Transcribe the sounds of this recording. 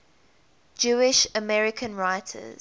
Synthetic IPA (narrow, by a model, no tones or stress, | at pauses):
d͡ʒuːɪʃəmɛɹɪkʰə̃nɹaɪtʰə̰z̥